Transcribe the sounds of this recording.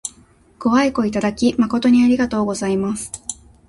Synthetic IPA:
ko̞βaiko̞it̪ad̪akʲimako̞t̪o̞ɲ̟iaɾʲiɡat̪o̞ːɡo̞zaimasɨ̥

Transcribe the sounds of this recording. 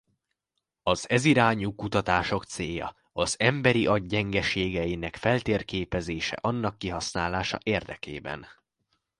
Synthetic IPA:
ɒzɛziɾaːɲukut̪ɒt̪aːʃo̞kt̪seːjɒ̰ | ɒzɛmbɛɾiʔɒɟɟɛŋɡɛʃeːɡɛjinɛkfɛlt̪eːrkeːpɛzeːʃɛ̰ʔɒnːɒkːiɦɒsnaːlaːʃɒ̰ʔeːrd̪ɛ̰kḛːbɛ̰n

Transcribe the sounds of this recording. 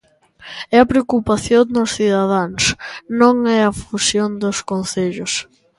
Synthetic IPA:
ɛɐpɾeokupaθjõnnʊsθiðaðaŋsnõŋɛɐfusjond̪ʊskonθeʎʊs

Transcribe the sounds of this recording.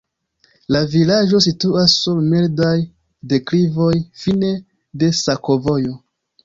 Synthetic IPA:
lavilad͡ʒo̞s̬ituasːulmeldaj | de̞klivo̞jfine̞ | de̞sako̞vo̞jo̞

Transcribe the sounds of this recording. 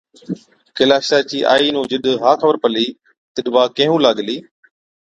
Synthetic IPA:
kɪlaːʃaːt͡ɕiːʔa̰ːiːnũːd͡ʒɪɗɦaːkʰəbəɾpəliː | t̪ɪɗʋaːkẽːɦũːlaːɠliː

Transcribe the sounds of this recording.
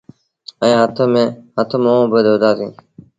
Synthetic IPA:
ə̃ːɦət̪ʰmẽːɦət̪ʰmoõːbəd̪ʱʋəd̪ʱaːsĩː

